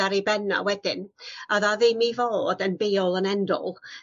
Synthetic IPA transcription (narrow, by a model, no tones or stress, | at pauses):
aɾibɛna̰wɛdɪnaðaðɪmivoːdənbeːɔlˠənɛndɔ̰lˠ